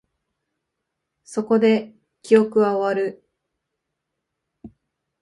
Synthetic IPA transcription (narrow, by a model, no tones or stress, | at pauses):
so̞ko̞d̪e̞ | kʲijo̞kɯ̟βaoaɾɯ̟